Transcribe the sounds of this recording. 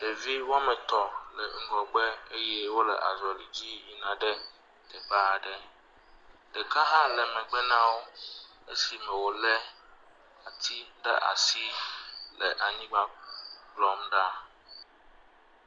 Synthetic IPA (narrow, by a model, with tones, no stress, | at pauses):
ɖe˨vi˦wa˦mɛ̃˨t̪ɔ˨lɛ˨ŋ̩˨ɡɔ˨ɡ͡bɛ˦e˦jɛ˦wo˦lɛ̰˨ʔa̰˨zɔ˨li˨d͡ʑi˦ji˨nã˨ɖɛ˦ | d̪̥ɛ˨ba˦˨ɖɛ˦ | ɖ̥ɛ˨ka˦ɦã˦lɛ˨mɛ̃˨ɡ͡bɛ˦nã˦wo˦ | e˦si˨mɛ̃˨wo˨lɛ˦ | a˨t̪ʰi˦ɖɛ̰˦ʔa̰˨si˦lɛ˨ʔa˨ɲĩ˦ɡ͡ba˦ɡ͡blɔ˦mɖa˦